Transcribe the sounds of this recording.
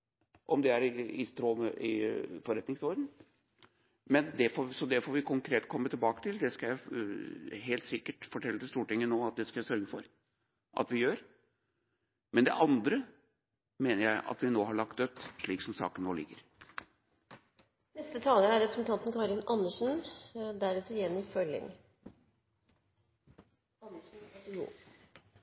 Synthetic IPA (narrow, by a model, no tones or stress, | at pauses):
ʔɔmd̪ɛæɾɪɪst̪ɾoːməʔɪfɔɾɛt̪nɪŋsɔɾd̪n̩ | mɛnd̪ɛfoːsɔd̪ɛfoːɾʋɪkʰʊŋkʰɾeːt̪kʰɔmːət̪ʰɪlbɑːkə̥t̪ʰɪld̪ɛskɑjæɪ | ɦeːlt̪sɪkːəʈfɔʈʰɛlːət̪ɪst̪uːʈɪŋːənoːɑt̪̚d̪ɛskɑjæsœɾɡəfɔɾ | ʔɑ̰t̪ʋɪjøːɾ | mɛnd̪ɛ̰ʔɑnd̪ɾə | meːnəɾjæɪʔɑ̰t̪ʋɪnoːhɑɭɑk̚t̪̚d̪œt̪ːʂɭiːksɔmsɑ̰ːkənnoːlɪ̰ɡːəɾ | nɛst̪ət̪ʰɑːləæɾɛpɾəsn̩t̪ʰɑnt̪n̩kʰɑːɾɪnɑnːəʂn̩d̪æɾʉːt̪əɾɪjɛnːɪfœlɪ̰ŋ | ɑnːəʂn̩jṵː